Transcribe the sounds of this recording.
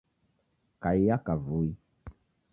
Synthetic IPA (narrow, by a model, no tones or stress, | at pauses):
kaijakavui